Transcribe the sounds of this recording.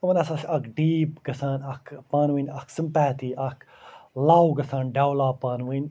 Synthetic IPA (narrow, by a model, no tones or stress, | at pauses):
ɐʋɐnɐsasɐkɖiːpɡɐsaːnɐkʰpaːnwinʲɐksɨmpɛːt̪iːʔɐkʰ | laːwɡɐsaːnɖaːwlaːpaːnwin